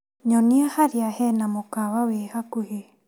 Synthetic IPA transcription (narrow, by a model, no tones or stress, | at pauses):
ɲɔniahaɾiahɛnamokaβawehakuhe